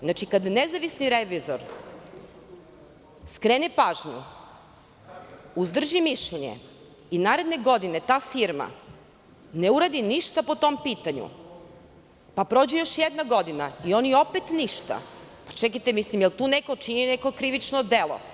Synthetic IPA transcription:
znat͡ʃikad̪nezaʋisniɾeʋizoɾ | skɾeːnepaːʒɲṵ | uzd̪r̩ʒimiʃʎeɲḛ | inaːɾe̞d̪ne̞ɡo̞d̪ine̞t̪aːfiɾma̰ | neuɾad̪iniʃt̪apo̞t̪o̞mpiːt̪aɲṵ | papɾo̞ːd͡ʑejo̞ʃjed̪naɡo̞d̪inaio̞nio̞pet̪niʃt̪a̰pat͡ʃɛkajt̪emislimjelˠt̪uːneko̞t͡ʃinineko̞kɾiʋit͡ʃnod̪elˠo̰

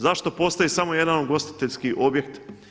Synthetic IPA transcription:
zaʃt̪o̞po̞st̪ajisamo̞je̞d̪anuɡo̞st̪i̥t̪e̞ʎʲskiʔo̞bje̞kt̪

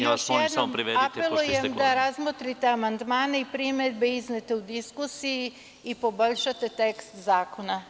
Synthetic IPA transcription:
joʃojed̪namomɾiʋeapelˠujemd̪aɾazmot̪ɾit̪eamand̪maːne̞ipɾimed̪̚be̞iznet̪eud̪iskusiji | ipo̞bo̞ʎʃat̪e̞t̪e̞kst̪zaːko̞na

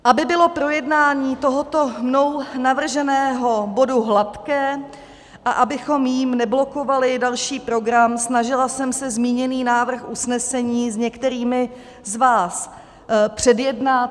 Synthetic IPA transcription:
ʔabɪbɪlo̞pɾo̞jɛdnaːɲiːt̪o̞ɦo̞t̪o̞mno̞wnavr̩ʒɛnɛːɦo̞bo̞duɦlat̪kɛː | ʔaʔabɪxo̞mjiːmnɛblo̞ko̞valɪdalʃiːpɾo̞ɡɾamsnaʒɪlasɛmsɛzmiːɲɛniːnaːvr̩xʔusnɛsɛɲiːzɲɛkt̪ɛɾiːmɪ | zvaːs | pr̝̥ɛdjɛdna

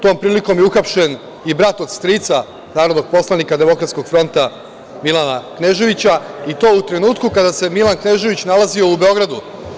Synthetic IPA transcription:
t̪o̞ːmpɾiːliko̞mjeuxapʃe̞n | ibɾat̪o̞d̪st̪ɾit̪sa | naːɾo̞d̪no̞ɡ̥̚po̞slˠanikad̪e̞mo̞kɾat̪sko̞ɡ̥fɾo̞nt̪a | milˠanakne̞ʒe̞ʋit͡ɕait̪o̞ːut̪ɾe̞nuːt̪kukad̪ase̞milankne̞ʒe̞ʋit͡ɕnalazio̞ube̞o̞ɡɾad̪u

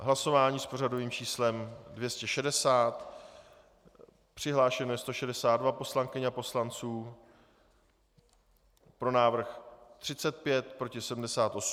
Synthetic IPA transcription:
ɦlaso̞vaːɲiːspo̞rado̞viːmt͡ʃiːslɛmdvjɛscɛʃɛdɛsaːt̪ | pr̝̥ɪɦlaːʃɛnojɛst̪o̞ʃɛdɛsaːd̪dvapo̞slaŋkɪɲapo̞slant͡suː | pɾo̞naːvr̩xt̪r̥ɪt͡sɛt̪̚pjɛt̪pɾo̞cɪsɛdm̩dɛsaːt̪ʔo̞s

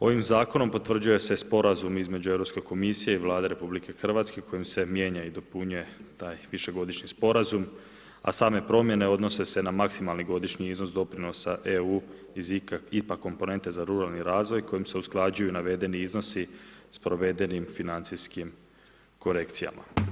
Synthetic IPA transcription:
o̞ʋimzaːko̞no̞mpo̞t̪ʋr̩d͡ʑuje̞se̞spo̞ɾazumizme̞d͡ʑueʋɾo̞pske̞ko̞misije̞iʋlˠaːd̪eɾe̞publike̞xr̩ʋat̪ske̞kʰo̞jimse̞mje̞ːɲaid̪o̞puɲuje̞t̪aːjʋiʃe̞ɡo̞d̪iʃɲispo̞ɾazum | a̰saːme̞pɾo̞mje̞ne̞o̞d̪no̞se̞se̞namaksimalˠniɡo̞d̪iʃɲiizno̞sd̪o̞pɾino̞saʔeuː | izikaipakːo̞mpo̞ne̞nt̪e̞zaɾuɾalˠniɾaːzʋo̞jko̞jimse̞usklˠad͡ʒujunaʋe̞d̪e̞niizno̞sispɾo̞ʋe̞d̪e̞nimfinant̪siskim | ko̞ɾe̞kt̪sija̰mʔa̰

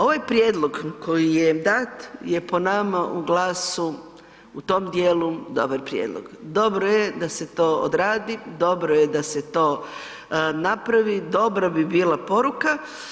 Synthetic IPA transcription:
o̞ʋajpɾʲjeːd̪lˠo̞ɡko̞jijed̪at̪je̞po̞namaʔuɡlaːsu | ut̪o̞ːmd̪jeːlud̪o̞̰barpɾjḛːd̪lˠo̰ɡd̪o̞bɾojed̪ase̞t̪o̞ːo̰d̪ɾaːd̪id̪o̞bɾojed̪ase̞t̪o̞ː | napɾaʋid̪o̞bɾabibiːlˠapo̞ɾuka

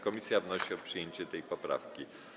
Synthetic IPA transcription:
kɔmʲisʲjavnɔɕiɔpʂɨjeɲt͡ɕɛt̪ɛjpɔpɾa̰fkʲi

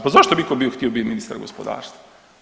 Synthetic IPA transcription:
pazaʃt̪obikobioxt̪iobit̪minist̪a̰ɾɡospo̰d̪a̰ːɾst̪a

